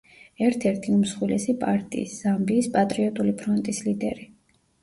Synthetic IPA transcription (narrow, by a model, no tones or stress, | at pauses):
ɛɾt̪ʰɛɾt̪ʰiumsχwilɛsipʼaɾt̪ʼḭːsz̥ambiːspʼat̪ʼɾiɔt̪ʼulipʰɾɔnt̪ʼislid̪ɛ̰ɾi